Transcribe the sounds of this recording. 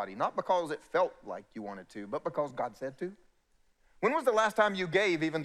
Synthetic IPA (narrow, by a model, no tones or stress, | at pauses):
ɾinət̚b̥əkʰʌzɨtfɛlˠt̚la̰ɪkʰjɨwɑ̃ɾ̃ɨd̚tʰɨbʌt̚b̥ɨkʰʌzɡɑd̥sɛd̚tʰɨ | wə̃nwʌzðəlæstʰãɪ̃mjɨɡeɪvivɨ̃n